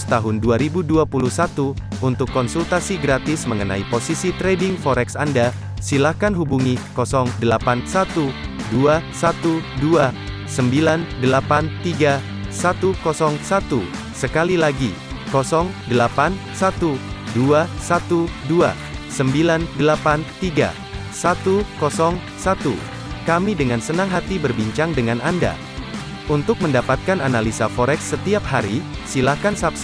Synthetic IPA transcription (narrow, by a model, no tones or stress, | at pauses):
st̪aɦʊnduaɾibuduapuluhsat̪u | unt̪ʊkːɔnsult̪asiɡɾat̪ɪsməŋəna̰iposisit̪ɾedɪŋfɔɾɛksanda | silahkanɦubuŋikɔsɔŋdəlapansat̪uduasat̪udua | səmbilandəlapant̪iɡa | sat̪ukɔsɔŋsat̪u | səkalilaɡi | kɔsɔŋdəlapan | sat̪uduasat̪udua̰ | səmbilandəlapant̪iɡa̰ | sat̪ukɔsɔŋ | sat̪ṵ | kamidəŋansənaŋɦat̪ibərbiɲt͡ʃaŋdəŋananda̰ | ʔunt̪ʊk̚məndapat̪̚kananalisafoɾɛksːət̪iap̚haɾi | silahkansaps